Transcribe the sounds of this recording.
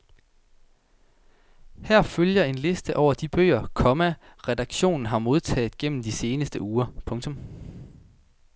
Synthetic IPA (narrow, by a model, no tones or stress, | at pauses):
hæɐ̰føljɐe̝nle̝sd̥əʔɒʊ̰ɐd̥ib̥ø̰ːɐkʰɒ̽mæʁɛd̥ɑ̈ɡ̥ɕo̝̰ːnn̩ɦɑ̈mo̝ð̞ˠt͡sʰɛ̰ːð̩ˠɡ̥en̰m̩d̥ise̝ːnəsd̥əuːɐpʰɔ̽ŋt͡sʰɔ̽m